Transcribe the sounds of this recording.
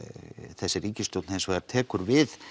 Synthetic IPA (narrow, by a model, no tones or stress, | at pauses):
θɛsːɪɾiːcɪst̪owt̪nejnsɔaɾt̪ʰɛːkʏɾvɪð